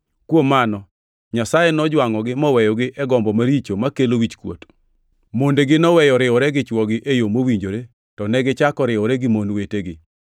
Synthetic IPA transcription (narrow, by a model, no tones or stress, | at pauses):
kwomːanɔ | ɲasajenɔd͡ʒwaŋɔɡɪmɔwɛjɔɡɪʔɛɡɔmbɔmaɾit͡ʃomakelowit͡ʃkwo̰t | mondeɡɪnɔwɛjɔɾɪɔɾɛɡɪt͡ʃwɔɡɪʔejomowiɲd͡ʒoɾe | tɔnɛɡɪt͡ʃakɔɾɪɔɾɛɡɪmonweteɡɪ